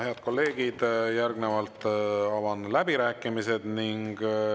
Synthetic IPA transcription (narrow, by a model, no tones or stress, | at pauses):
he̞ɑd̪̥̚ko̞lːe̞ːɡ̥id̪̥jærɡnevɑlt̪ɑvɑnlæbiɾæːkːˑimise̞d̪̥niŋɡ̥